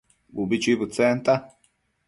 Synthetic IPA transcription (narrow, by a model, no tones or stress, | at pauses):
bubit͡ʃibut͡sɛːnt̪a